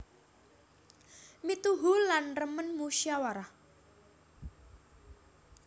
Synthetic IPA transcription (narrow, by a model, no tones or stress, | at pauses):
mit̪uɦulanrəmənmuʃjawaɾah